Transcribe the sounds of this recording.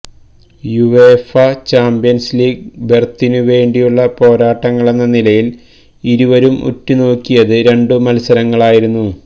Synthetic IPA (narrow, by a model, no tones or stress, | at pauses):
juʋefɐt͡ɕaːmbijɐnsliːɡ̚bert̪ːinɨʋe̞ːɳɖijuɭːɐpo̞ːɾaːʈːɐŋːɐɭe̞nːɐnilɐjil | iɾuʋɐɾumṵtːuno̞ːkːijɐðɨɾe̞ɳɖɨmɐlsɐɾɐŋːɐɭaːjiɾunːu